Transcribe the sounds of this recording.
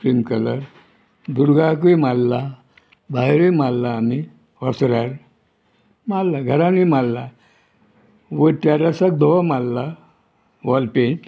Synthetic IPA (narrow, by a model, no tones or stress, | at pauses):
fɾimkələɾ | d̪uɾɡak̬imalːa | bʱajɾemalːaːmi | ʋɔsɾaɾ | malːaɡʱəɾãnimalːa | ʋəʈ̪jaɾəsək̚d̪ʱɔmalːa | ʋɔlpẽ